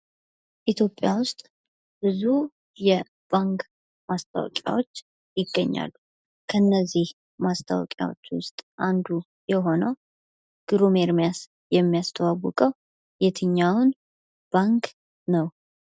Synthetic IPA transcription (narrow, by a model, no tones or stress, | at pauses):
ʔit̪ʰjo̞pʼːjawʊst̪ʼ | bɨzu | jɛ | b̥aŋk | mast̪ʰʼa̰wɔ̰kʼja̰wot͡ʃː | jɪɡːəɲːa̰lːu | kʰəɨnːəzːih | mast̪ʰa̰w̰kʼja̰wo̞̰t͡ʃːwʊst̪ʼʔand̪u | jɛɦo̞nəw | ɡ̥ɾumeɾmijas | jɛmːijast̪ʰəwawːɔkʼəw | jet̪ʰɨɲːawʊn | b̥aŋk | nəw